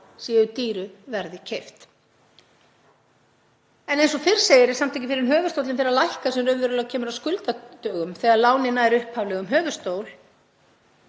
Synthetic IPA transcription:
siːðʏt̪iːɾʏvɛɾðɪcʰejft̪ | ɛnejnsɔfɪr̥seːjɪɾɪsam̥t̪ʰajcɪfɪɾɪɾɪnɦœːvʏst̪owt̪lɪnfɪɾɪɾalajhkasɛmɾœvɛɾʏlcʰɛːmʏɾawskʏlt̪at̪œːɣʏmθɛːɣaðlaːwnɪnːaɛɾʏhphavlɛɣʏmɦœːvʏst̪oːwl

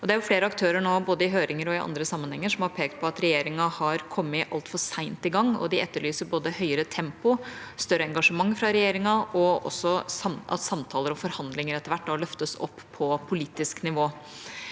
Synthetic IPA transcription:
ɔd̪ɛæɾjʊfleːɾəɑk̚t̪ʰøːɾəɳoːboːd̪əɪɦøːɾʔɪŋəɾɔɪʔɑ̰nd̪ɾəsɑmːənhɛŋːəʂɔmhɑɾpʰeːkt̪̚pʰɔɑt̪ɾɛjeːɾɪŋɑhɑɾkʰɔmːəʔɑlt̪fɔɾsæɪnt̪ɪɡɑŋːɔ̰d̪ɪɛt̪ːəɭyːsəɾboːd̪əhœʏəɾət̪ʰɛmpʊst̪œɾəɛŋɡɑʂəmɑŋːfɾɑɾɛjeːɾɪŋɑɔɔ̰sːɔsɑmʔɑ̰t̪sɑmt̪ʰɑːləɾɔfɔɾhɑnd̪lɪŋəɾɛt̪ːəʋæʈːd̪ɑlœft̪əsɔ̰pːʰɔpʰʊliːt̪ɪsknɪʋoː

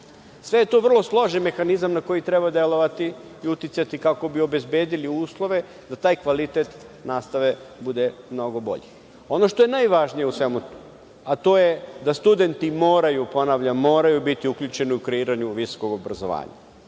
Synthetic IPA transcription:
sʋe̞je̞t̪oːʋr̩lˠo̞slˠo̞ʒenme̞xanizamnako̞jit̪ɾebad̪e̞lˠo̞ʋat̪iiut̪it̪sat̪ikako̞bio̞be̞zbe̞ːd̪iliuːslˠo̞ʋe̞ | d̪at̪aːjkʋalit̪et̪naːst̪aʋe̞bud̪e̞mno̞ɡo̞bo̞̰ʎi | o̞noʃt̪o̞je̞najʋaʒnijeusʋe̞mu | at̪o̞ːjed̪ast̪ud̪e̞nt̪imo̞ːɾajupo̞naʋʎamo̞ːɾajubit̪iukʎut͡ʃe̞niukɾeiːɾaɲuʋiso̥ko̞ɡo̞bɾazo̞ʋa̰ːɲa̰

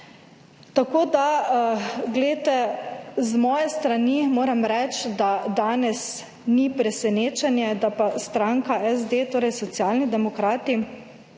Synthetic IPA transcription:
t̪akoːd̪a | ɡlɛt̪ɛzmɔːjɛst̪ɾanimoːɾɛmɾɛt͡ʃd̪ad̪aːnɛs | nipɾɛsɛneːt͡ʃɛnjɛd̪apast̪ɾaŋkaʔɛzd̪et̪oːɾɛjsɔt̪sjaːlnid̪ɛmɔkɾaːt̪i

